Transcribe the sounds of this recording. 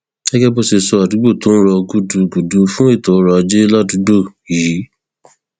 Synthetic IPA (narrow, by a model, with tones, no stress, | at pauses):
ɛ˦ɡɛ˦bo˦˨se˧sɔ˧a˨du˨˦ɡ͡bo˦˨to˦n̩˦ɾɔ˧ɡu˦du˧ɡu˨du˨˧fũ˦e˦˨tɔ˨˦ɾɔ˧a˧d͡ʒe˦la˦˨du˨˦do˦˨ji˨˦